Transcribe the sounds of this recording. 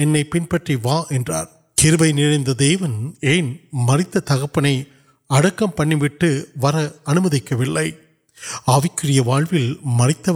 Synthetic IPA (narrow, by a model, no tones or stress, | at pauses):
ɛnːɐɪpɪnpɐʈriʋaːʔɛndra̰ːɾ | kɪɾɯbɐɪnɪɻɐɪnd̪ɐd̪eːʋɐneːnmɐrɪt̪ːɐt̪ɐɣɐpːɐnɐɪ | ɐɽɐkːɐmpɐɳːiʋɪʈːɯʋɐɾɐɐnɯmɐðɪkːɐʋɪɭːɐɪ | ɐʋɪkːɯrɪjɐʋaːɻʋɪlmɐrɪt̪ːɐ